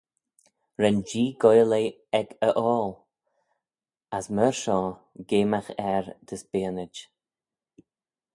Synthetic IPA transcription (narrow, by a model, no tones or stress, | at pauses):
ɾɛnd͡ʒiːɡɔjleː | ɛkəʔɔːl | asməɹʃɔː | ɡeːmaxɛɹd̪̥əsbeːənɪd͡ʒ